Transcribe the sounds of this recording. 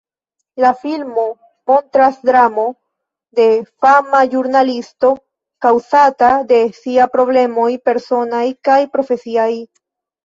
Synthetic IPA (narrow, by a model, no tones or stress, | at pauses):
lafilmo̞ | mo̞ntɾasdɾamo̞ | de̞famad͡ʒuɾnalisto̞ | kawsatade̞siapɾo̞ble̞mo̞jpe̞ɾso̞najkajpɾo̞fe̞siaj